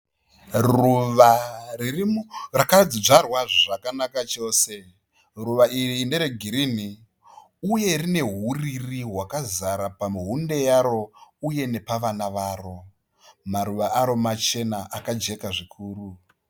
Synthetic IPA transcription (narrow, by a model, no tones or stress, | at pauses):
ruʋaririmrakad͡ziʐarwaʐʐakanakat͡ʃo̞ːse̞ | ruʋaʔiriːnde̞ɾeɡʱiɾini | uje̞rine̞ɦuririɦwakazaɾapamuɦunde̞jaɾo̞uje̞ne̞paʋanaʋaːro̞ | maɾuʋaʔaɾo̞mat͡ʃe̞naʔakad͡ʒe̞kaʐikʰuːɾu